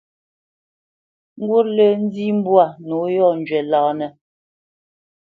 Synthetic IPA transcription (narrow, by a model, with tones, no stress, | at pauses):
ŋ̩˦ɡwu˦ɾlə˦˨n̩˦di˦m˦bwa˦˨nu˨˦jɔ˦˨n˨d͡ʒɥɛ˨laː˨nɛ˨